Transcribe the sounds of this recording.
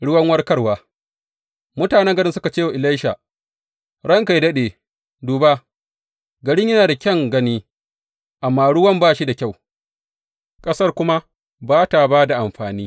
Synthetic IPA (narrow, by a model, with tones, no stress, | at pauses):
ɽʊ˦wɐ˦ŋwɐ˦rkɐ˦rwaː˨ | mʊ˦taː˨nɛ˦ŋɡɐ˦ɽɪ˦nsʊ˦ka˨t͡ʃeː˦˨wa˨ʔɪ˨la˦jʃa˨ | ɽɐ˦ŋka˨jdɐ˦ɗeː˨ | duː˨ba˦ | ɡɐ˨ɽɪ˦ɲjɐ˦naː˨da˨kʲɐ˦˨ŋɡɐ˦niː˦ | ʔa˨mːaː˦ɽʊ˦wɐ˦mbaː˦˨ʃi˦da˨kʲa˦˨w | kʼɐ˦sɐ˦rkʷʊ˦ma˦ | baː˦ta˨baː˦da˨ʔa˨mɸaː˨niː˦